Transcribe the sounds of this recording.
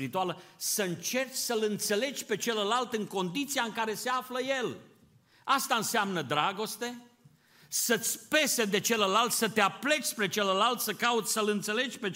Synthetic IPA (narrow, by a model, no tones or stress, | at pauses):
ɾit̪ualəsəɨnt͡ʃe̞rt͡ʃʲsəlɨnt̪se̞le̞d͡ʒʲpe̞t͡ʃe̞ləlalt̪ɨŋko̞nd̪it̪siaɨŋkaɾe̞se̞afləje̞l | ast̪aɨnsamnəd̪ɾaɡo̞st̪e̞ | sət̪sʲpe̞sed̪e̞t͡ʃe̞ləlalt̪sət̪eaple̞t͡ʃʲspɾe̞t͡ʃeləlalt̪səkaut̪sʲsəlɨnt̪se̞le̞d͡ʒʲpe̞